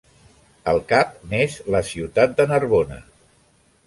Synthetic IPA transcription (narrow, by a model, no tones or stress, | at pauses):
əlˠkap̚nezləsiwt̪at̪̚d̪ənəɾβonə̰